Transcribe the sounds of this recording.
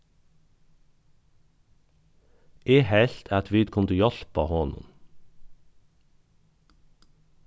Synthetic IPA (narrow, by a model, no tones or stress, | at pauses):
ʔeːhɛɬt̪ʰæt̪ʰʋiːd̪kʰʊnd̪ʉjɔɬpɑ̰ːhoːnə̰n